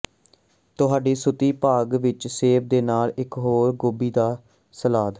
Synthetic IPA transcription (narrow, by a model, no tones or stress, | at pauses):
t̪ʊɦaːɖiːsʊt̪iːpaːɡʋɪt͡ʃseːb̚d̪eːnaːlɪkɦoːɾɡoːbiːd̪aː | səlaːd̪